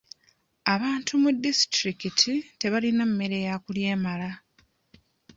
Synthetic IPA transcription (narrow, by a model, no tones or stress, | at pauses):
aβaːntumudːistɾikitʰite̞βalinamːe̞ɾe̞jakulje̞ːmala